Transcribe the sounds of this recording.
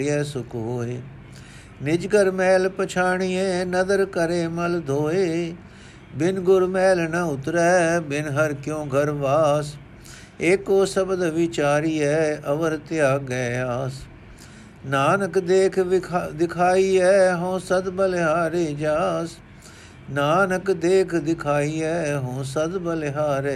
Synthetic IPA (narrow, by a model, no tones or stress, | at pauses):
ɛːsʊkɦoːeː | nɪd͡ʒɡəɾmɛːlpət͡ʃʰaːɳ̃iɛːnəd̪əɾkəɾeːməld̪ʱoːeː | bɪnɡʊɾmɛːlnəʊt̪ɾɛːbɪnɦəɾkjõːɡʱəɾʋaːs | eːkoːsəbd̪ʋɪt͡ʃaːɾiːɛːəʋəɾt̪ɪjaːɡɛːaːs | naːnəkd̪eːkʰd̪ɪkʰaːiːɛːɦõːsəd̪bəleɦaːɾeːd͡ʒaːs | naːnəkd̪eːkʰd̪ɪkʰaːiːɛːɦõːsəd̪bəlɦaːɾeː